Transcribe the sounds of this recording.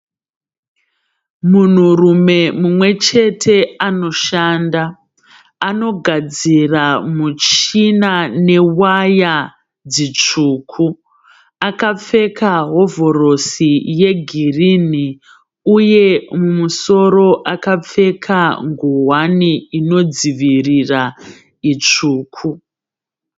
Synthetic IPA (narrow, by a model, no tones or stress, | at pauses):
mun̤urume̞mumwe̞t͡ʃe̞tʰe̞ano̞ʃaːnda | ano̞ɡʱad͡ziramut͡ʃinane̞waja | d͡zit͡ʂuːkʰu | akap͡fe̞kʰaɦo̞vo̞ro̞sije̞ɡʱirini | uje̞mumuso̞ɾo̞ʔakap͡fe̞kʰaŋɡuɦwaniino̞d͡ziʋirira | it͡ʂuːkʰu